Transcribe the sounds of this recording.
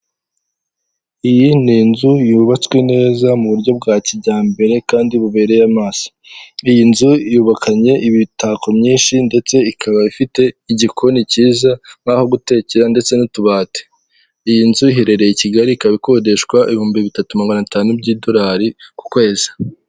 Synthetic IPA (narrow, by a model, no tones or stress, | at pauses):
ijininzujuːβat͡swe̞ne̞ːzamuβuɾɟo̞b̚ɡaːciɟaːmbe̞ɾe̞kaːndiβuβe̞ːɾe̞jamaːsi̥ | ijinzujuːβakʰaɲe̞ʔiβitʰakomɲiːnʃinde̞t͡se̞ikʰaβaifite̞iɟikʰo̞niciːzaŋ̥aho̞ɡute̞ceɾande̞t͡se̞nituβaːte̥ | ijinzuiɦe̞ɾe̞ɾe̞jiciɡaɾikaβiko̞ːde̞ʃkwaʔḭβihuːmbiβitatumaɡanataːnubɟiːdo̞ɾaːɾiku̥kwe̞ːzḁ